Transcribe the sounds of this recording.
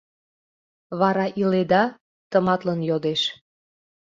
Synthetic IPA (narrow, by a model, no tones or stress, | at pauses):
βɑɾɑʔiled̪ɑ | t̪əmɑt̪lənjod̪eʃ